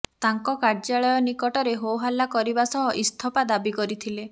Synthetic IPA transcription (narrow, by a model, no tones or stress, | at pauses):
t̪aŋkɔkaɾd͡ʒaɭɔjɔnikɔʈɔɾeɦowɦalakɔɾibasɔɦɔʔist̪ʰɔpad̪abikɔɾit̪ʰile